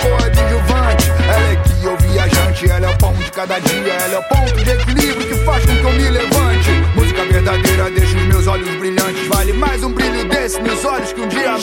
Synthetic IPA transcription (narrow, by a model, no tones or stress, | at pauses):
kõɐd͡ʒiʒovɐ̃t͡ʃɪɛlɛkɪewviaʒɐ̃t͡ʃɪɛlɛwpɐ̃w̃ʊd͡ʒɪkad̪ɐd͡ʒiɐɛlɛwpõt̪ʊd͡ʒekilivɾʊkɪfaskõkɪewmɪlevɐ̃t͡ʃɪbuzkɐveɾd̪ad̪ejɾɐd̪ejʃɐ̃ʊzmewzɔʎʊzbɾiʎɐ̃t͡ʃɪzvalɪmajzũbɾiʎʊd̪esɪmewzɔʎʊskɪũd͡ʒiɐ